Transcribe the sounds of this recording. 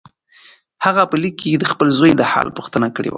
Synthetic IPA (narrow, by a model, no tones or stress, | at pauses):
haɣapəlikːejed̪əxpəlzojd̪əhɑ̰lpuxt̪ənakəɽḛwa̰